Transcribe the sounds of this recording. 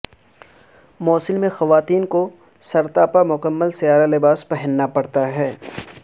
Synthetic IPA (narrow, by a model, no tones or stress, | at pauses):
moːsɪlmẽxɐʋaːt̪iːnko | sɐɾt̪aːpamʊkəmːəlsɪjaːɾalɪbaːspɛɦɪ̃nːapɐɽt̪aɦɛː